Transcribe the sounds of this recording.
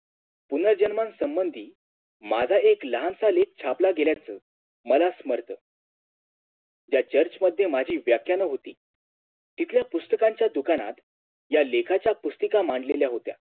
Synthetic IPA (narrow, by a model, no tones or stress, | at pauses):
punəɾd͡ʑənmansəmbənd̪ʱiː | mad͡zʱaekləɦansalek̚t͡ɕʰaplaɡeljat͡səː | məlasməɾt̪ə | d͡ʑjat͡ɕəɾt͡ɕməd̪ʱːjemad͡ʑʱiːʋjakʰjanəɦot̪ḭː | t̪it̪ʰljapust̪əkaɲt͡ɕjad̪ukana̰t̪ | jalekʰat͡ɕjapust̪əkamaɳɖleljaɦot̪ja̰